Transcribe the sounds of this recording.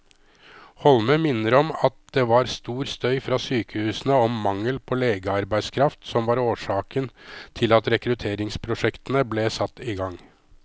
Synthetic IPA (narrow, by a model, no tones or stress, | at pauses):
hɔlməmɪnːəɾɔmɑt̪̚d̪ɛʋɑɾst̪uːɾst̪œʏfɾɑːsyːkəhʉːsənəɔmːɑŋːəlpʰɔleːɡəɑɾbæɪd̪skʰɾɑft̪sɔmʋɑɾoːʂɑːkənt̪ʰɪlɑt̪ɾɛkɾʉt̪ʰeːɾɪŋspʰɾʊʂɛkt̪ənəblɛsɑt̪ːɪɡɑŋː